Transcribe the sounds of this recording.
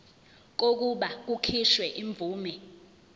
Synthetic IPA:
k̬ok̬uɓak̬ukʰiʃwɛʔiɱb̪vʱuːmɛ

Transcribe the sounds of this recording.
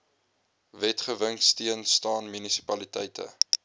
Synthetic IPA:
vɛtχəvəŋstiənstɑːnmynisi̥pɐlitɛ̰jtʰə̰

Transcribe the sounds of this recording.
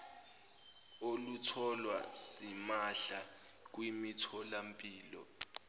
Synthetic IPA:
olutʰɔlwasimaɬa | k̬wimitʰɔlampʼiːlɔ̰

